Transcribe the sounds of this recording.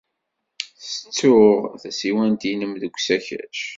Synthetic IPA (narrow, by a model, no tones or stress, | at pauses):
θə̥t͡sːʊʁθæsiwænt̪inəmðəɡʷsæçæ̰ʃ